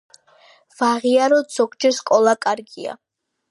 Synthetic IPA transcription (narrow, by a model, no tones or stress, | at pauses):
v̥aʁiaɾɔd̪zɔɡd͡ʒɛskʼɔlˠakʼaɾɡia̰